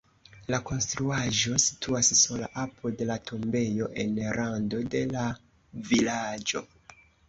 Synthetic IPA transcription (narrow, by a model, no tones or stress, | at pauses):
lako̞nstɾuaʒo̞si̥tʰuassola̰ʔapʰodelatʰombe̞jo̞ʔe̞nɾando̞de̞la | vilad͡ʒo̞̰